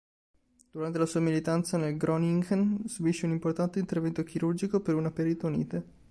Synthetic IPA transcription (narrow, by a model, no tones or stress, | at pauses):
d̪̥uɾant̪elasuːamilit̪ant̪sanelɡɾʔɔniŋɡnsubiʃːeunimport̪ant̪eint̪ervɛnt̪ok̟ʰiɾurd͡ʒikopeɾunapeɾit̪aunḭːt̪e